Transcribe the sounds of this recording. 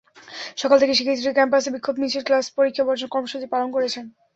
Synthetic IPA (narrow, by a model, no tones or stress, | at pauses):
ʃɔkalt̪ʰekeʃikʰit̪ːɾikɛmpasebikʰːobmit͡ɕʰiɾklaspoɾikʰːabɔɾd͡ʑonkɔɾmoʃut͡ɕipalonkoɾet͡ɕʰen